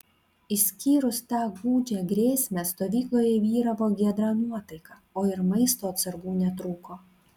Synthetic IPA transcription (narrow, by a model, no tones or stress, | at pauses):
ɪsʲkʲiːɾʊst̪ɑːɡuːd͡ʒʲɛɡɾʲeːsʲmʲɛst̪oːʋʲiːklˠoːjɛʋʲiːɾɐʋoːɡʲiɛd̪ɾɑːnuɔt̪ɐɪkɑːoːɪɾmɐɪst̪oːɐt̪sɐɾɡuːnʲɛt̪ɾuːkoː